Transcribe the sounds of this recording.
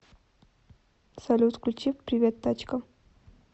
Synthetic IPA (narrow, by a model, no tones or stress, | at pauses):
sɐlʲut̪klʲut͡ɕifpɾʲivʲet̪ːat͡ɕkə